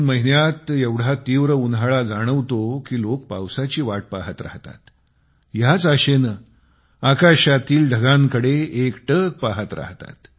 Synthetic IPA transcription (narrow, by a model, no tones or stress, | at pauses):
nməɦinjat̪jeʋɽ̤at̪iʋɾəunɦaɭad͡zaɽ̃əʋt̪okiːlok̚pa̰wsat͡ɕiːʋaʈ̚paɦət̪ɾa̰ɦt̪a̰t̪ | jat͡səɕenə | akaɕat̪iːlɖʱəɡãŋkəɽeekʈək̚paɦət̪ɾa̰ɦt̪a̰t̪